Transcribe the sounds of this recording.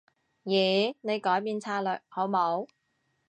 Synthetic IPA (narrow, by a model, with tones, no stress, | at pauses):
jiː˨˩ne˨˧jkɔː˨˥jpiː˧nt͡sʰaː˧lœː˨k̚ho˨˥wmo˨˥w